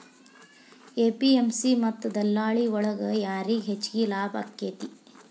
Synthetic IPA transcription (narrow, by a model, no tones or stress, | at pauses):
eːpiemsimɐt̪ːd̪ɐlːaːɭiɔɭɐɡɐjaːɾiɦet͡ʃːɡilaːbɐ̰kːeːt̪i